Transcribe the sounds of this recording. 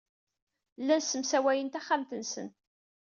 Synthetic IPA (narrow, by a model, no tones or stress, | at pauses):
lːænsəmsæwæjənt̪æχːaæmt̪ənsə̰n